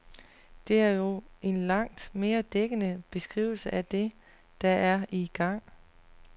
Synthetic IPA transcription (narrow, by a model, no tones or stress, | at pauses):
d̥e̝æɐjo̝e̝nlɑ̈ŋ̰d̥me̝ːɐd̥eɡ̥ənəb̥e̝sɡ̥ʁḭʊl̩səʔæd̥e̝ | d̥ɑ̈æɐiɡ̥ɑ̈ŋ̰